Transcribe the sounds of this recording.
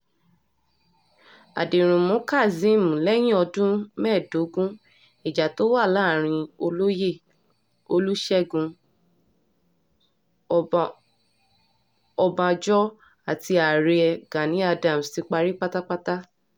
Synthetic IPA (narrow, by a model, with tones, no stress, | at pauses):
a̰˨dĩ˨ɾ̃ũ˨mõ˨˦ka˦˨zĩ˨˦˨mũ˨lɛ˦j̃ĩ˦ɔ˧dũ˦mɛ̃ː˦˨do˨˦ɡũ˦ | i˨d͡ʒa˨to˦wa˦˨laː˦˨ɾ̃ĩ˧o˧lo˦je˦˨ | o˧lu˦ʃɛ˦˨ɡũ˧ | ɔ˧bã˧d͡ʒɔ˦ | a˨ti˧a˨ɾe˧ɛ˧ɡã˨nĩ˨˦a˧dã˨m̩˨si˧k͡pa˧ɾi˦k͡pa˦ta˦k͡pa˦ta˦